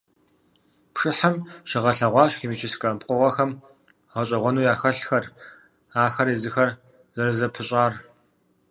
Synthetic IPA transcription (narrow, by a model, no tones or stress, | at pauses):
pʂɨħamʃɐʁɐɬɐʁʷɑːɕxiːmiːt͡ʃʰɪskʼɐpqʷʼʊʁʷɐxɐm | ʁɐɕʼɐʁʷɔnuːjaːxɐɬxɐr | aːxɐɾiːzɨxɐr | z̥ɐɾɨzɐpʰɨɕʼaːr